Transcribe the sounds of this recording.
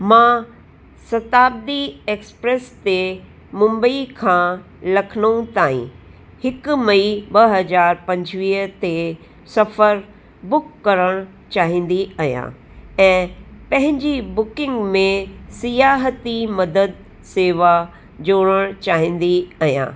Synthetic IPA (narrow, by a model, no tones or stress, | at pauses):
mãː | sɐt̪aːb̚d̪ieːkspɾeːst̪e | mʊ̃mbəikʰãː | lɐkʰnəũt̪aːḭ̃ | hɪkʊmɐibɐɦɐzaːɾpɐ̃ɲd͡ʑʋiːɦt̪e | sɐfəɾ | bʊkːɐɾəɽ̃ | t͡ɕaːɦĩːn̆d̪iɐɦijã̰ | ɛ̃ːpɐ̃ɦɪ̃ɲd͡ʑibʊkɪ̃ŋɡmẽsijaːɦət̪imɐd̪əd̪̚ | seːʋa | d͡ʑoːɽ̃əɽ̃t͡ɕaːɦĩːn̆d̪iɐɦjã̰ː